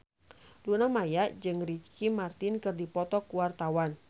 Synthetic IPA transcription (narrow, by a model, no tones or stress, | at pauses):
lunamajaʔd͡ʒɨŋrit͡ʃkimart̪ɪnkɨrdipɔt̪ɔkuwart̪awan